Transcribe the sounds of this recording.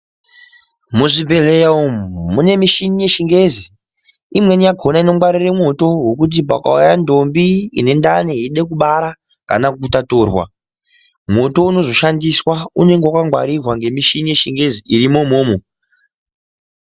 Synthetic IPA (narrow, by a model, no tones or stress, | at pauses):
muʐibʱelejaummune̞miʃinije̞ʃiŋɡe̞zi | imwe̞nijaɡʱo̞naino̞mɡwaɾire̞mo̞to̞ɦwekut̬ip̬a̰ka̰ujando̞mbiḭne̞ndaneɦiɗek̬uɓaɾa | ka̰nakutatoːrwa̰ | mwo̞to̞uno̞zo̞ʃandiswaune̞ŋɡewakaŋɡwa̰ɾirwaŋɡe̞miʃinije̞ʃiŋɡe̞ziiɾimo̞moːmo